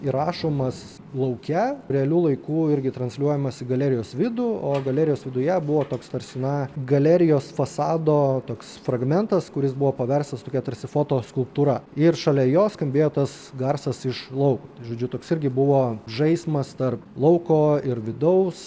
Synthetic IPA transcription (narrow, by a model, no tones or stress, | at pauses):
iɾɑːʃoːmɐs | lˠɐʊkʲɛɾʲɛɐlʲuːlˠɐɪkuːɪɾʲɡʲɪt̪ɾɐnsʲlʲuɔjɛmɐsɪɡɐlʲɛːɾʲɪjoːsʋʲɪd̪uoːɡɐlʲæːɾʲɪjoːsʋʲɪd̪ʊjɛbʊʋoːt̪oːkst̪ɐɾʲsʲɪnɐɡɐlʲæɾʲɪjoːsfɐsɑːd̪oːt̪oːksfɾɐɡmʲɛnt̪ɐskʊɾʲɪsbʊʋoːpɐʋʲɛɾst̪ɐst̪oːkʲɛt̪ɐɾʲsʲɪfoːt̪oːskʊlˠpt̪uːɾɐɪrʃɐlʲɛjoːskɐmʲbʲeːjoːt̪ɐs | ɡɐrsɐsɪʃlˠɐʊkuːt̪ɐɪʒoːd͡ʒʲʊt̪oːksɪɾʲɡʲɪbʊʋoːʒɐɪsʲmɐst̪ɐrplˠɐʊkoːɪɾʋʲɪd̪ɐʊs